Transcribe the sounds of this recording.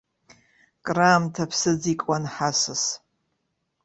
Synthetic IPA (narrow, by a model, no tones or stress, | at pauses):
kʼraːmtʰapʰsɨd͡zikʷʼanħasɨs